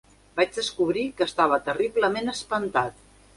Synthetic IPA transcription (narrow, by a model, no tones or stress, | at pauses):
bad͡ʒðəskuβɾikəːst̪aβ̞ət̪əriβləmenəspənt̪at̪̚